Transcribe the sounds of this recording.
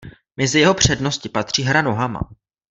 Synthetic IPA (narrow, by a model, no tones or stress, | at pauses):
mɛzɪjɛɦo̞pr̝̥ɛdno̞scɪpat̪r̝̥iːɦɾano̞ɦama̰